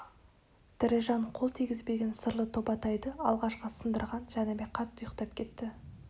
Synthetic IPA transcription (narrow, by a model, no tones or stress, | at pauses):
d̪̥ɪɾɪʒɑɴqʰo̞lˠt̪ʰiɡʲɪzbe̞ɡʲe̞nsəɾlˠət̪ʰo̞bɑt̪ɑjd̪əɑlˠʁɑʃqəsənd̪əɾʁɑnʒænemeqʰɑt̪ːʊjəqt̪ɑp̚kʲʰe̞t̪ːɪ